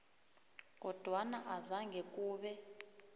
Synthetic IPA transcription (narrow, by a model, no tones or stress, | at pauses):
k̬ɔd̥ʱwanaʔazaŋɡʱek̬ʼuːɓɛ